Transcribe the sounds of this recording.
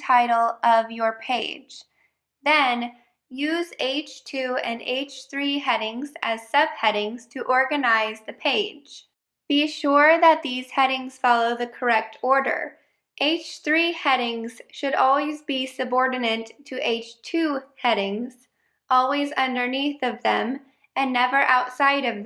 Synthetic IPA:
tʰaɪɾl̩ˠʔʌvjə˞pʰeɪd̥d͡ʒ̥ | ðɨ̃n | jʉzeɪt͡ʃtʰʉɨ̰̃nḛɪt͡ʃθɹiɦɛɾɪ̃ŋzɨz̥sʌb̥̚hɛɾɪ̃ŋz̥tʰɨʔɔɹɡɨnaɪzðɨpʰeɪd̥d͡ʒ̥ | b̥iʃʊɹðət̪̚ðiz̥hɛɾɪ̃ŋz̥fɑlˠoʊðɨkʰə˞ɛk̚tʰɔɹɾə̰˞ | ʔeɪt͡ʃθɹihɛɾɪ̃ŋz̥ʃɨɾɔlˠwizbisɨbɔɹdⁿn̩ɨ̃ntʰɨʔeɪt͡ʃtʰʉhɛɾɪ̃ŋz̥ | ʔɔlˠwizʌ̃ndə˞niθʌvðɨ̃m | ɨ̃nːɛvə˞ʔaʊtsaɪɾʌvð

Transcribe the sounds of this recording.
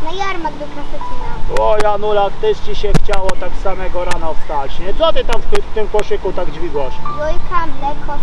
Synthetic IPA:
najaɾmaɡb̪ɘkɾasɛtinaɔjanulakt̪ɛʂd͡ʑiɕɛxt͡ɕawɔt̪aksamɛɡɔɾanɔfst̪at͡ɕɲɛt̪sɔt̪ɘt̪amfft̪ɘmkɔʂɘkut̪aɡd͡ʑvʲiɡ̪wɔʂvɔjkʰamlɛkʰɔ

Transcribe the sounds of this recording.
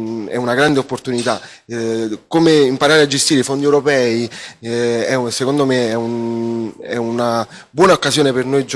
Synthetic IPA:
ɛ̰unaɡɾand̪eopːort̪unit̪a | komeimpaɾaːɾead͡ʒːest̪iɾeifond̪iɛwɾopɛːi | ɛsekond̪omeɛun | ɛ̰una | bwɔːnaokːasjoːnepernojd͡ʒ

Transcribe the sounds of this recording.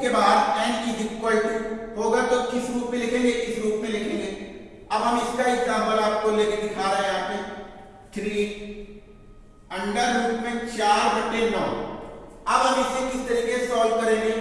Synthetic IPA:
kebaːd̪ɛːnkid̪ɪkkɔɭʈiɦoːɡat̪okɪsɾuːpmẽlɪkʰẽːŋɡekɪsɾuːpmẽlɪkʰẽːŋɡe | ɐbɦɐmɪskaɪsaːməlaːp̚koleːked̪ɪkʰaːɾeɦɛ̃aːpẽ | t̪ʰɾiː | ɐ̃ɳɖaɾɾuːpmẽt͡ʃaːɾbɪʈːenaɦo | ɐbɦɐmɪsekɪst̪əɾiːkesɔːlkəɾẽːŋɡe

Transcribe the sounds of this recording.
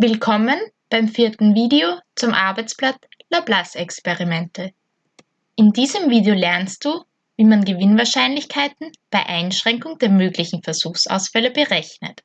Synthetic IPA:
vɪlkʰɔmənb̥aɪmfiɐtn̩viːdeot͡sʊmʔaɐbaɪt͡splat͡s | lablasɛkspɛʁimɛntʰə | ʔɪndiːzəmviːdeolɛɐnst̚d̥uː | viːmanɡəvɪnvaɐʃaɪnlɪçkʰaɪtn̩b̥aɪʔaɪnʃʁ̥ɛŋkʊŋdeːɐmøːɡlɪçn̩fɛɐz̥uːxsa̰ʊsfɛləbəʁɛçnə̰t

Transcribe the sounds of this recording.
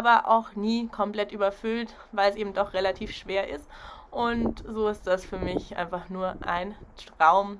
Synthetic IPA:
ʔaːbɐʔa̰ʊxniːkʰɔmpl̥ɛtʔyːbɐfʏlt | vaɪlɛsʔeːbm̩dɔχʁ̥elatʰiːfʃv̥eːɐʔɪstʔʊntzoːɪst̚d̥asfyːɐmɪçʔa̰ɪnfaχnuːɐʔa̰ɪnʁ̥aʊm

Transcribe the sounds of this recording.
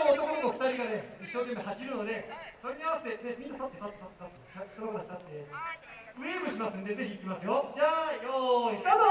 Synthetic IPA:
ot̪o̞konokoɸkɯ̟t̪aɾʲiɡane̞iɕoːt̪emehaɕiɾɯ̟nod̪e̞soɾʲeɲʲiaasi̥t̪e̞nemʲĩnːat̪at̪ːet̪at̪ːet̪at̪ːet̪at̪ː | asonoɡaɾaɕi̥at̪ːe̞ | ɯ̟emɯ̟ɕimasɨ̃nd̪e̞ze̞çʲiːkʲimasɨjo̞d͡ʑaːjoiano

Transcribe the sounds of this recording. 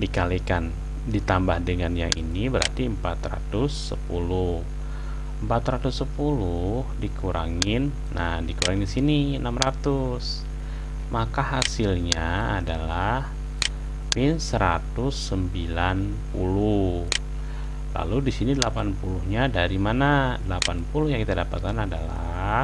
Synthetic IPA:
dikalikan | dit̪ambahdəŋanja̰ŋʔḭnibəɾa̰rt̪iəmpat̪ra̰t̪ʊsːəpulʊh | əmpat̪ɾat̪usːəpulʊhdikuɾa̰ŋɪnːahdikuɾaŋndisiniənamrat̪us | makaɦasɪlɲaadalah | mɪnsəɾat̪ʊsːəmbilan | pulʊ | la̰ludisinidəlapanpuluhɲadaɾimanadəlapanpulʊhjaŋkit̪adapat̪̚kanadala̰

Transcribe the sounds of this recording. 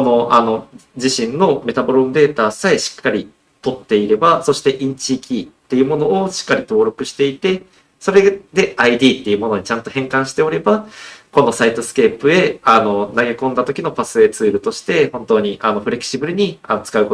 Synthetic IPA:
kono̞ʔano̞d͡ʑiɕĩnnːo̞me̞t̪abo̞ɾõnd̪e̞ːt̪aːsaeɕi̥kːaɾʲi | t̪o̞t̪ːe̞iɾe̞baso̞ɕi̥t̪e̞ʔĩɲ̟t͡ɕiːkʲit̪ːe̞jɯ̟mo̞no̞ːɕi̥kːaɾʲit̪o̞ːɾo̞kɯ̟ɕi̥t̪e̞it̪e̞ | so̞ɾe̞d̪e̞aid̪ʲiːt̪ːe̞iɯ̟mo̞no̞ɲ̟it͡ɕãnt̪o̞hẽ̞ŋkãɰ̃ɕi̥t̪e̞o̞ɾe̞bako̞no̞sait̪o̞sɨ̥ke̞ːpɯ̟e̞ano̞naɡe̞kõ̞nd̪at̪o̞kʲino̞pasɨe̞ːt͡sɨːɾɯ̟t̪o̞ɕi̥t̪e̞hõ̞nt̪o̞ːɲ̟iʔano̞ɸɯ̟ɾe̞kɯ̥ɕibɯ̟ɾɯ̟ɲ̟ianot͡sɨ̥kaɯ̟ko

